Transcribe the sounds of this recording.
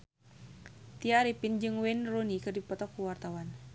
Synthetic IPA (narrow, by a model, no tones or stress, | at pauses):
t̪iaɾipind͡ʒɨŋwɛnrunikɨrdipɔt̪ɔkːuwart̪awan